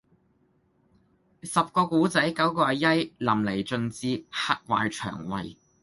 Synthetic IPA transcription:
sɐ˨p̚kɔː˧kuː˨˥t͡sɐ˨˥jkɐ˨˥wkɔː˧ɐ˨˧jɐ˥jlɐ˨˩mle˨˩jt͡ʃɵ˨˧nt͡siː˧ha˥t̚wa̰ː˨jt͡ʃʰœ̰ː˨˩ŋwɐ̰˨j

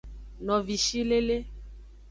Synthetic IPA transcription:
nɔ̃˨vi˨ʃi˦le˦le˦

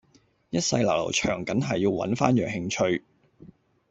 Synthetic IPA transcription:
jɐ˥t̚sɐ̰˧jlɐ̰˨˩wlɐ̰˨˩wt͡ʃʰœː˨˩ŋkɐ˨˥nɦɐ˨jːiː˧wwɐ̰˨˥nfaː˥njœː˨˩ŋhɪ˧ŋt͡ʃʰɵ˧ɥ

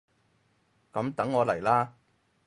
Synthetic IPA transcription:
kɐ˨˥mt̪ɐ˨˥ŋːɔː˨˧lɐ˨˩jlaː˥

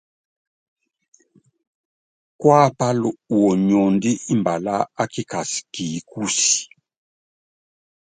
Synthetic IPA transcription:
kwa˦˨pa˦lu˨u˨ɔ˨ɲɔ˨ndi˦i˦mba˨la˦a˦ki˦ka˨si̥˨ki˨˦ku˦si̥˨

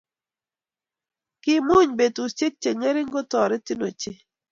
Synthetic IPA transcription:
kɪ˦mu˦ɲbe˨tu˨t͡ʃe˦k̚t͡ʃe˨ŋe˦ɾɪ˦ŋɡɔ˦tɔ˨ɾɛ˦tɪ˦no˨t͡ʃɪ˦˨

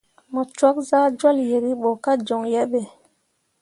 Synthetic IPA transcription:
mɔ˨t͡ʃwa˦k̚zaː˦d͡ʒwa˦lje˨ɾi˦ɓo˨ka˦d͡ʒo˨ŋjɛ˦ɓe˨

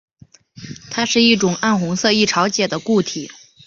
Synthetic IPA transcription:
t̪ʰa˥ʂɻ̩˥˧i˥˩ʈ͡ʂʊ˨˩ŋa˥˩nxʊ˧˥ŋsɤ˥˧i˥˩ʈ͡ʂʰɑ˧˥ʊt͡ɕjɛ˨˩d̪ə˦ku˥˩t̪ʰi˨˩˦

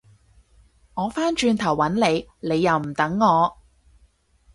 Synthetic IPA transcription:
ŋɔː˨˧faː˥nt͡ʃyː˧nt̪ʰɐ˨˩wːɐ˨˥nle˨˧jne˨˧jːɐ˨˧wm̩˨˩t̪ɐ˨˥ŋːɔː˨˧

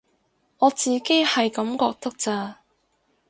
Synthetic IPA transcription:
ŋɔː˨˧t͡siː˨ke˥jhɐ˨jkɐ˨˥mkɔː˧k̚t̪ɐ˥k̚t͡saː˧

